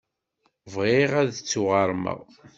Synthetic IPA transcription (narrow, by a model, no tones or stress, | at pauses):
vʁeʁæðt͡sːuʁɑɾˤmə̰ʁ